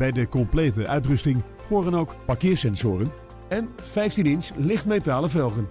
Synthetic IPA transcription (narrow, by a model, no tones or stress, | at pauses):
b̥ɛjdəkɔmplejtəʔœɥtrɵstɪŋ | χʊːrənowkpakɪːɹsɛnzʊːrən | ɛn | fɛjftinɪnslɪχtmetaːləvɛlˠχən